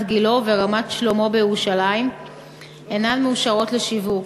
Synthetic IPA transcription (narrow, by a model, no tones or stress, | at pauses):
tɡilo̞ve̞ʁamat̪ʃlo̞mo̞bejeʁuʃalaim | enanmeuʃaʁo̞tle̞ʃivuk